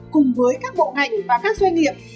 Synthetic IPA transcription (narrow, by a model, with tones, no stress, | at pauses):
kʊ˨˩ŋ͡mvəː˨˦jkaː˦˥k̚ɓo̰˧˨ɦa̰˧˨jŋ̟vaː˨˩kaː˦˥k̚zwa˧jŋːḭ˧˨əp̚